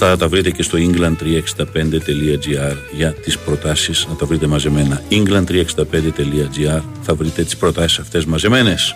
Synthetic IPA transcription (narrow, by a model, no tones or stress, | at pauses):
t̪ɐt̪ɐvɾit̪e̞ce̞st̪o̞iŋɡlɐnd̪̚t̪ɾiɐeksi̥nd̪ɐpe̞nd̪e̞t̪e̞liɐd͡ʒiɐɾ | ʝɐt̪ispɾo̞t̪ɐsiznɐt̪ɐvɾit̪emɐze̞me̞nɐiŋɡlɐnd̪t̪ɾiɐksind̪ɐpe̞nd̪et̪e̞liɐd͡ʒiɐɾ | θɐvɾit̪e̞t̪i̥spɾo̞t̪ɐsi̥sɐft̪e̞zmɐze̞me̞ne̞s